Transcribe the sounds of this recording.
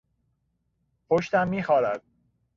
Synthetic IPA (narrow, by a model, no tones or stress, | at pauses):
pʰoʃt̪æmːiːxɒːɾæd̪̥̚